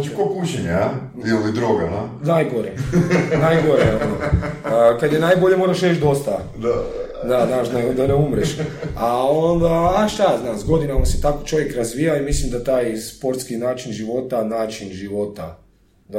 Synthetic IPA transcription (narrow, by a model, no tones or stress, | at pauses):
t͡ʃikopuʃeɲaa | ilid̪ɾoɡama | najɡoɾenajɡoɾeono | kad̪jenajboʎe̞moɾaʃɾet͡ʃd̪o̞st̪a | zaznaːʃd̪aed̪aneumɾeʃaond̪aːʃt̪aznaːmzɡo̞d̪inamaset̪ako̞̥t͡ʃo̞ʋjekɾazʋiːjaimislimd̪at̪aːjspo̞ɾt̪skinaːt͡ʃinʒiʋo̞t̪anaːt͡ʃinʒiʋo̞t̪a | d̪a